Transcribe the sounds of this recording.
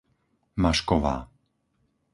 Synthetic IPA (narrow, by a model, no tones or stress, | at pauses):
maʃkɔʋa̰ː